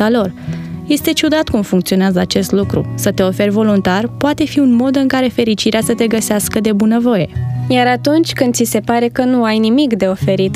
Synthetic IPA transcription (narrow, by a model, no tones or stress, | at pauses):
alo̞rje̞st̪e̞t͡ʃud̪at̪kumfuŋkt̪sio̞neazəat͡ʃe̞st̪lukɾṵsət̪e̞o̞fe̞rʲvo̞lunt̪arpoat̪e̞fiunmo̞d̪ɨŋkaɾe̞fe̞ɾit͡ʃiɾeasət̪e̞ɡəseaskəd̪e̞bunəvo̞je̞jaɾat̪unt͡ʃʲkɨnd̪sise̞paɾe̞kənuajnimikd̪e̞o̞fe̞ɾit̪